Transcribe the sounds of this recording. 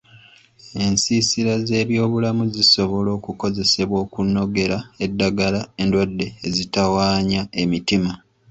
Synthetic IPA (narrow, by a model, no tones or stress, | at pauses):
e̞nsiːsiɾaze̞ːβjo̞ːβulamuziso̞βo̞lo̞ːkuko̞ze̞se̞βwo̞ːkunːo̞ɡe̞ɾae̞dːaɡalae̞ndwadːe̞ːzitawaːɲae̞mitima